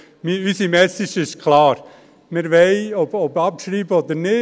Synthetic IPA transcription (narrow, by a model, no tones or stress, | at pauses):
miysimɛsiʃɪʃkʰlɑːɾ | mɪɾʋɛɪɔbɔbɑpʃɾiːbəɔd̪əɾnɪ